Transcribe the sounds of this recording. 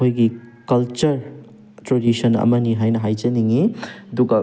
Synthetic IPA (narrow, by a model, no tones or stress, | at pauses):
ojɡi | kɐlt͡ʃɐɾ | tɾodisɐnɐ̰mɐniɦajnɐɦajzɐniŋiduɡɐ